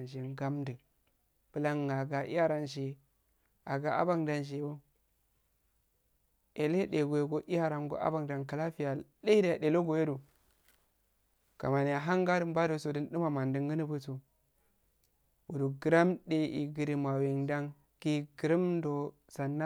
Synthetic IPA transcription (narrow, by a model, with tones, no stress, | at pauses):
nʃ̬e˨ŋɡa˦mdɨ˨ | b̥ɨ˨la˦ŋ˨a˨ɡa˨ʔḭ˦ja˦ɾa˦nʃ̬e˨ | a˨ɡa˨a̰˦ba˦ŋda˨nʃ̬e˨o˦ | e˨le˦de˨ɡo˨je˨ɡo˦ʔi˦ja˦ɾa˨nɡo̰˨ʔa̰˦ba˨ŋda˨nka˨la˦fi˦ja˨li˦i˦da˦a˨ɗe˨lo˦ɡo˨je˦du˨ | ka̰˨ma˨n˨ja˨ɦa˦ŋɡa˦dɨ˨m˦ba˦do˨so˨dɨ˦n˦dɨ˦ma˨ma˨ndɨ˨ŋɡə˦ni˦bu˦so˨ | wu˨du˨ɡɨ˨ɾa˦mde˨ḭ˨ɡi˨ɾi˨ma˨we˨ŋda˦ŋ | ki˦ɡə˨ɾi˦m˦do˨ | sa˨nːa˦